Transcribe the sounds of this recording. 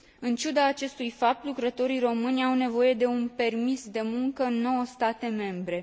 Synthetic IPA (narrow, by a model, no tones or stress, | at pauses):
ɨnt͡ʃud̪aːt͡ʃe̞st̪ujfap̚t̪lukɾət̪o̞ɾijro̞mɨnʲawne̞vo̞je̞d̪e̞unpe̞rmisd̪e̞muŋkəɨnːo̞wəst̪at̪e̞me̞mbɾe̞